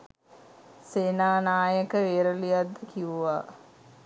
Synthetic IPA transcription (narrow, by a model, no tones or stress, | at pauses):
seːnaːnaːjəkəʋeːɾolijad̪ːəkiʋuʋaː